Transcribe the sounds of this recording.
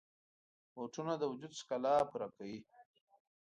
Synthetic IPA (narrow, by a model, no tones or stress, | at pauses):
woʈunad̪əwd͡ʒud̪skalɑpuɾakawi